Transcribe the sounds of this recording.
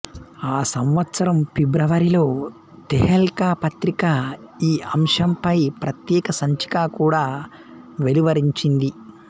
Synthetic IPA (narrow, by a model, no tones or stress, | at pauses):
aːsɐmʋɐt̪sɐɾɐmpibɾɐʋɐɾilo̞ː | t̪eɦɐlkaːpɐt̪ɾikaiːɐmʂɐmpɐjpɾɐt̪jɛːkɐsɐɲt͡ʃi̥kaːkuːɽaː | ʋeliʋɐɾiɲt͡ʃind̪i